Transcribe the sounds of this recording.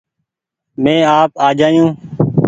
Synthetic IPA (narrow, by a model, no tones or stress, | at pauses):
mẽːaːpaːd͡ʒaːjũː